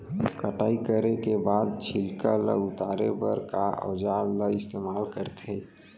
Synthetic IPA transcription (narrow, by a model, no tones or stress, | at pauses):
kəʈaːikəɾekebaːd̪̚t͡ʃʰilkalə̰ʊt̪aɾepəɾkaɔ̰d͡ʒaləɪst̪emaːlkəɾt̪ʰe